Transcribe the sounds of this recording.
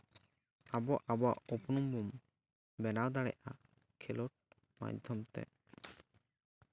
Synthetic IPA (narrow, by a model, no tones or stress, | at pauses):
abɔʔabɔa̰upunumbum | bɛnawd̪aɽɛ̰ʔa | kʰɛlɔʈ̚ | ma̰jd̪ʱɔmt̪ɛ̰